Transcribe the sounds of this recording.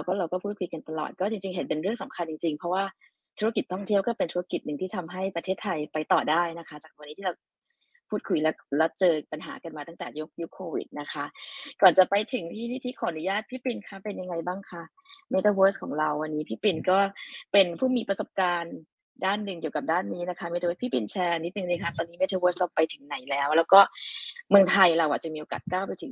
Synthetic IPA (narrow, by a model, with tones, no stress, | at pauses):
a˧wkʰɔː˥˩ɾa˧wkɔː˥˩pʰuː˥˩t̪̚kʰu˧jka˧nt̪a˧lɔ̰˨˩t̪̚kɔː˥˩t͡ɕi˧ŋt͡ɕi˧ŋɦe˨˦npe˧nɾɯ˥˩əŋsa˨˦mkʰa˧nt͡ɕi˧ŋt͡ɕi˧ŋpʰɔ˦˥waː˥˩ | t̪ʰu˦˥a˥ki˨˩t̪ʰːɔ˥˩ŋt̪ʰi˥˩wkɔː˥˩pe˧nt̪ʰu˦˥a˦˥ki˨˩t̪̚nɯ˨˩t̪ʰiː˥˩a˧mɦa˥˩jpɾa˧eː˥˩t̪ʰːa˧jpa˧jt̪ɔː˨˩daː˥˩jna˦˥kʰa˦˥t͡ɕaː˨˩k̚nːi˦˥t̪ʰi˥˩a˧˩w | pʰuː˥˩t̪̚kʰu˧jlɛ˦˥lɛ˦˥t͡ɕɤː˧pa˧nɦa̰ː˩˦ka˧nmaː˧a˥˩t̪ɛː˨˩ju˦˥k̚ju˦˥kʰːoː˧wḭ˨˩t̪̚na˦˥kʰa˦˥ʔkɔː˨˩nt͡ɕa˨˩pa˧jt̪ʰɯ˨˦ŋt̪ʰiː˥˩niː˦˥˩t̪ʰi˥˩kʰɔː˨˩˦a˧nu˨˦jaː˥˩t̪̚pʰiː˦˥˩pi˧nkʰa˦˥˩pe˧nja˧ŋa˧jbaː˥˩ŋkʰa˦˥˩ʔ | meː˦˥t̪ʰəː˧weː˦˥skʰɔː˩˦ŋɾa˧wːa˧nːiː˦˥pʰiː˥˩pi˧nkɔː˥˩pe˧npʰuː˥˩miː˧pɾa˧so˨˩p̚kaː˧n | daː˥˩nːɯ˨˩ŋki˨˩əwka˨˩p̚daː˥˩nːiː˦˥na˦˥kʰa˦˥me˧˥t̪̚ːpʰiː˥˩pi˧nt͡ɕʰɛː˧nːi˦˥t̪̚nɯ˨ŋnɯː˧kʰa˦˥˩t̪ɔː˧nːiː˦˥meː˧˦˥t̪ʰə˧weː˦˥slɔ˦˧˥pːa˧jt̪ʰɯ˨˩˦ŋna˨˩˦jlɛː˦˥wlɛː˦˥wkɔː˥˩mɯ˧əŋt̪ʰa˧jɾa˧wʔaː˨˩t͡ɕa˨˩miː˧ʔoː˧ka̰˨˩t̪̚kaː˥˩wpa˧jt̪ʰɯ˨˩˦